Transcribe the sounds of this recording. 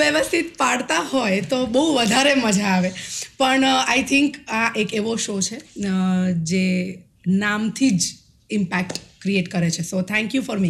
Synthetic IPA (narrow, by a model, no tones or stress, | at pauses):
ʋeʋəst̪ʰit̪̚paɽt̪aɦojt̪obəɦuʋəd̪ʱaɾeməd͡ʒaːʋepəɳajt̪ʰɪŋkaʔekeʋoʃot͡ʃʰe | d͡ʒe | namt̪ʰid͡ʒ | ɪmpækʈkɾieʈkəɾet͡ʃʰesot̪ʰɛ̃ŋkjufɔɾmi